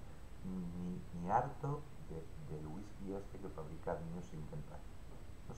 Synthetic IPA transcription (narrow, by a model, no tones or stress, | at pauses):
mimiaɾt̪o | ðe | d̪elwiskiost̪eke̞faβɾikaβiɲosint̪enpaθ